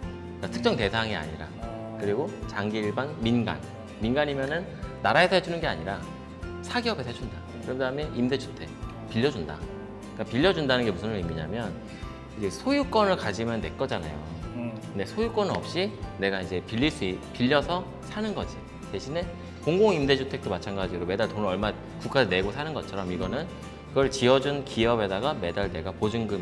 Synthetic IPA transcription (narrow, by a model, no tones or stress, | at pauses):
ik͈atʰɯ̥k̚t͡ɕ͈ʌŋte̞sʰaŋia̰ɲiɾa̰ | kɯɾiɡot͡ɕaŋɡiiɭbanminɡa̰n | minɡaɲimjʌnɯnːaɾaesʰʌhed͡ʑunɯnɡe̞a̰ɲiɾa | sʰaɡiʌbesʰet͡ɕʰunda | kɯɾʌdaɦɯmjeʔimdet͡ɕʰu̥tʰe̞ | piʎːʌd͡ʑunda̰ | k͈apiʎːʌd͡ʑundanɯnɡe̞musʰʌnimiɲa̰mjʌn | id͡ʑesʰojuk͈ʌnɯɭkad͡ʑimjʌne̞k͈ʌd͡ʑana̰jo̰ | nde̞sʰojuk͈wʌnɯnʌp̚ɕ͈ine̞ɡaid͡ʑe̞piʎːiɭs͈uipiʎːʌsʰʌ | sʰanɯnɡʌd͡ʑi | te̞ɕʰine | koŋɡoŋimde̞d͡ʑʰutʰe̞k̚t͈omat͡ɕʰanɡad͡ʑiɾome̞daɭtonɾʌɭma | kuk͈ʰaene̞ɡosʰanɯnɡʌt͡ɕʰʌɾʌmiɡʌnɯn | kɯɡʌɭt͡ɕiʌd͡ʑunkiʌbe̞daɡame̞daɭne̞ɡapod͡ʑɯŋɡɯm